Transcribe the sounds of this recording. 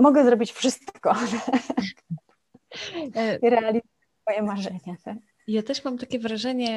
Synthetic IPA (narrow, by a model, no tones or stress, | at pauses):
mɔɡɛzɾɔbʲit͡ɕfʂɘst̪kɔ | iɾɛalʲizujɛɛfɔjɛmaʐɛɲat̪ak̚ | ijat̪ɛʂmamt̪akʲɛvɾaʐɛɲɛ